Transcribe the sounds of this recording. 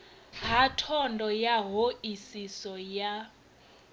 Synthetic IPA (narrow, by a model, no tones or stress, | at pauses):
ɦatʰɔndʱɔjaɦoʔisisɔja